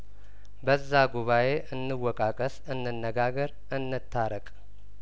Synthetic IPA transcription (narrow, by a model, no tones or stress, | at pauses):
bəzːaɡuβaje̞ʔɨnːɨwɔkʼakʼəsɨnːɨnːəɡaɡəɾ | ʔɨnːɨt̪ʰːaɾəkʼ